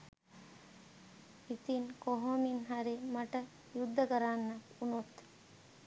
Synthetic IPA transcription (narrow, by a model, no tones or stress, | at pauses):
it̪inkoɦominɦɐɾemɐʈɐ | jud̪ʱːɐkɐɾaːnːɐkunot̪